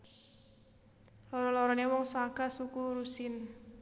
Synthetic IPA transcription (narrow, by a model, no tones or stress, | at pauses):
lɔɾɔlɔɾɔnewɔŋsaɡasukuɾusɪn